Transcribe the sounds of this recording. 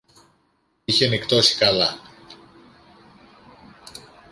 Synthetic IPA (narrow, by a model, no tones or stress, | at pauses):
içenikt̪o̞si̥kɐlɐ